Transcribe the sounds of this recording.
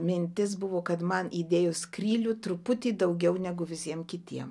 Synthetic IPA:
mʲɪnʲt̪ʲɪs̬bʊʋoːkɐt̪mɐnʔiːd̪ʲeːjʊskrʲiːlʲut̪ɾʊpʊt̪ʲiːd̪ɐʊɡʲɛʊnʲɛɡʊʋʲɪsʲiɛmkʲɪt̪ʲiɛm

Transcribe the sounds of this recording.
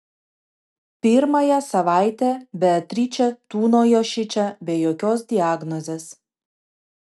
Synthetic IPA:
pʲɪɾmɐjɛsɐʋɑˑɪt̪ʲɛbʲɛɐt̪ʲɾʲiːt͡ʃʲɛt̪uːnoːjoːʃʲɪt͡ʃʲɛbʲɛːjoːkʲoːsd̪ʲɪaːɡnɔzʲeːs

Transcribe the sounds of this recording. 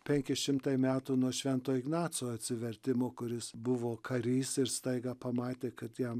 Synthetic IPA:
pʲɛŋʲkʲɪʃʲɪmt̪ɐɪmʲæːt̪uːnuɔʃʲʋʲɛnt̪oːɪɡnɑːt̪soːɐt̪ʲsʲɪʋʲɛɾʲt̪ʲɪmoːkʊɾʲɪsbʊʋoːkʰɐɾʲiːsɪɾst̪ɐɪɡɐpɐmɑːt̪ʲeːkɐt̪jɛm

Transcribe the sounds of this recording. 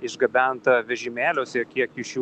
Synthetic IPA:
ɪʒɡɐbʲænt̪ɐʋʲɛʒʲɪmʲæːlʲoːsʲɪkʲiɛkjɪʃʲju

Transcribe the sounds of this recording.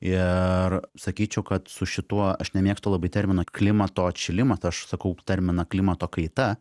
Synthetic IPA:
ɪrsɐkʲiːt͡ʃʲɛʊkɐt̪sʊʃʲɪt̪uɔɐʃnʲɛmʲiːɛkst̪oːlˠɐbɐɪt̪ʲɛɾʲmʲɪnɐklʲɪmɐt̪oːt͡ʃʲɪlʲɪmɐsɐʃsɐkɐʊt̪ʲɐɾʲmʲɪnɐklʲɪmɐt̪oːkɐɪt̪ɐ

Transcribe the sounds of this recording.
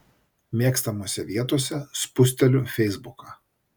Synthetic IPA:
mʲeːkst̪ɐmoːsʲɛʋʲiɛt̪oːsʲɛspʊsʲt̪ʲɛlʲʊfʲɛɪzbʊkɑː

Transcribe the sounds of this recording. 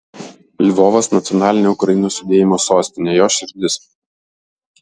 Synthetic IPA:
lʲʋɔːʋɐsnɐt̪sʲɔnɑːlʲɪnʲoːʊkɾɐɪnoːsʲʊd̪ʲeːjɪmoːsoːsʲt̪ʲɪnʲeːjoːʃʲɪɾʲd̪ʲɪs

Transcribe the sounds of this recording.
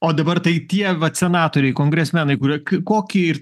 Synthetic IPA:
oːd̪ɐbɐrt̪ɐɪt̪ʲiɛʋɐsʲɛnɑːt̪oːɾʲɛɪkoːŋɡɾʲɛsʲmʲɛnɐɪkʊɾiɛkɐkoːkʲiɛɪɾ

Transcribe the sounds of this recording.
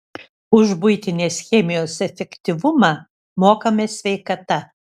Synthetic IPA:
ʊʒbʊɪt̪ʲɪnʲeːsxʲɛːmʲɪjoːsɛfʲɛkt̪ʲɪʋʊmɐː | moːkɐmʲeːsʲʋʲɛɪkɐt̪ɐ

